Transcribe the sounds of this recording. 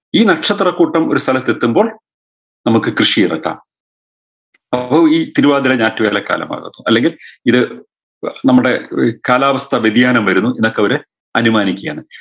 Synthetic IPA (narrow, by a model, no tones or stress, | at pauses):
iːnɐʈʂɐt̪rɐkːuːʈːɐmo̞ɾust̪ʰɐlɐt̪ːe̞t̪ːumbo̞ːɭ | nɐmukːɨkrɨʂiirɐ̰ʈːa̰ːm | ɐpːoiːt̪iɾuʋaːd̪ilɐɲaːtːiʋeːlɐkːa̰ːlɐ̰ma̰ːɣɐ̰nːuʔɐlːe̞ŋɡiliðɨ | nɐmːuɽe̞̰kaːlaːʋɐst̪ʰɐʋed̪jaːnɐmʋɐɾunːuinːokːeɐʋɐɾɨ | ɐnumaːnikʲːja̰ːɳɨ